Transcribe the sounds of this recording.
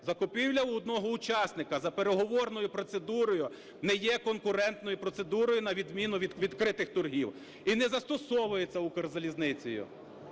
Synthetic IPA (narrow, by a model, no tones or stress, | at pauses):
zɐkʊpʲiwlʲɐuɔd̪nɔɦɔʊt͡ʃɑsnɪkɐzɐpeɾeɦɔʋɔrnɔjʊpɾɔt̪se̞d̪uɾɔjʊ | nɛjɛkɔnkʊɾɛnt̪nɔjʊpɾɔt̪se̞d̪uɾɔjʊnɐʋʲid̪mʲinʊʋʲiʋʲid̪kɾɪt̪ɪxt̪ʊrɦiw | inɛzɐst̪ɔsɔʋʊjet͡sʲːɐukerzɐlʲiznɪt͡sʲɔjʊ̰